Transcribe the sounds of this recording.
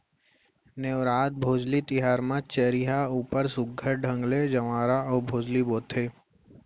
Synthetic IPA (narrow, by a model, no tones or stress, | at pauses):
neʋɾaːt̪̚bʱoːd͡ʒlit̪ɪɦaːɾmãt͡ʃəɾiɦauːpəɾsʊɡʱəɾɖʱə̃ŋɡled͡ʒɐmaːɾaɔːbʱoːd͡ʒliboːt̪ʰeː